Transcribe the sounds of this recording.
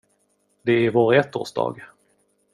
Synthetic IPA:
d̪ɛæɾvoːɾɛt̪ːo̰ːʂd̪ɑ̰ːɡ

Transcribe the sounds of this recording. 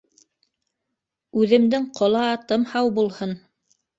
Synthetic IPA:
ʉðɘ̆md̪ɘŋqʰŏlˠɑːt̪ɤmhɑwbulˠhɤn

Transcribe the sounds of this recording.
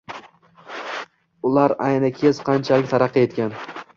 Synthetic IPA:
ʊlaɾajnakʲʰezqʰɑnt͡ʃʰalɪk̚ʲt̪ʰaɾɑqːɨet̪kʲan

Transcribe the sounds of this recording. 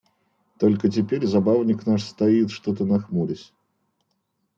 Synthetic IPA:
t̪o̞lʲkət̬ʲɪpʲeɾʲzɐbavnʲɪknaʂst̪ɐit̪ʂt̪ot̪ənɐxmuɾʲɪsʲ

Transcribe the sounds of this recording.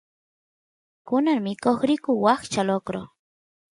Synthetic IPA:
kʊnaɾmɪkoχɾɪkʊwaχt͡ʃalokɾo

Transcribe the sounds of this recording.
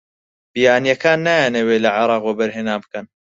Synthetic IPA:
bijaːnijɐkaːnːajaːneweːlɐʕɑɾˤɑːqwabɐɾɦenaːbɨkɐn

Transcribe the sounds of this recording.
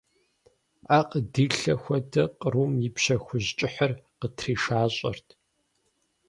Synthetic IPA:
aqʼədiːɬɐxʷɐdɐqʼəɾumjɪpʃɐxʷʊʑt͡ʃʼɪħərqətʰriːʂaːɕʼɐ̰rtʰ

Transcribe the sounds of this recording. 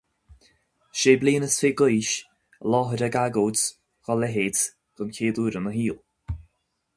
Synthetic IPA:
ʃeːbliːnəsfeːɡʊjʃ | lɔːɦəɾəɡaɡoːt | ɣ̥ɔlɛɦeːd | ɡ̥ənkʰeːduːɾənəɦiːl

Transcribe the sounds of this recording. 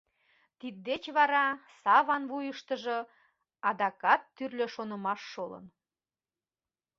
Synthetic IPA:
t̪id̪̚d̪et͡ɕβɑɾɑsɑβɑnvujəʃt̪əʒo̽ | ɑd̪ɑkɑt̪ːyrløʃonə̆mɑʃːolə̰n

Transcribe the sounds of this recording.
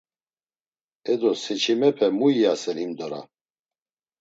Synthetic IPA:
ɛd̪ɔsɛt͡ʃʰimɛpʰɛmuijasɛɾimd̪ɔɾa̰

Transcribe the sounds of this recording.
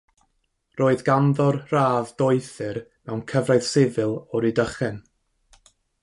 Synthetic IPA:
roːɨðɡanðɔrraːvdoɨθɨrmɛwnkʰəvraɨð̥sɪvɨlˠɔɾidəχɛn

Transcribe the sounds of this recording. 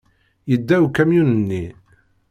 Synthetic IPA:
jəd̪ːæwkæmjunənːi

